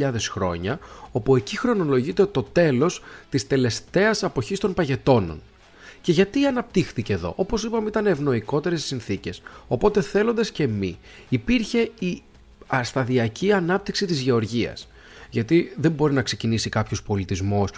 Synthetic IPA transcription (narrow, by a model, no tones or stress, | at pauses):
ʎɐðe̞sxɾo̞̰ɲɐo̞pue̞cixɾo̞no̞lo̞ʝit̪et̪o̞t̪e̞lo̞st̪ist̪e̞le̞st̪e̞ɐsɐpo̞çist̪o̞npɐʝe̞t̪o̞no̞̰n | ce̞ʝɐt̪iɐnɐp̚t̪ixθiceðo̞̰ʔo̞po̞sipɐmeit̪ɐneːvno̞iko̞t̪e̞ɾe̞ssinθice̞so̞po̞t̪e̞θe̞lo̞nd̪ɐsce̞mḭ | ipiɾçe̞i | ɐst̪ɐðiɐciɐnɐp̚t̪iksit̪izʝe̞o̞ɾʝiɐ̰s | ʝɐt̪iðe̞mbo̞ɾinɐkse̞cinisikɐpço̞spo̞lit̪izmos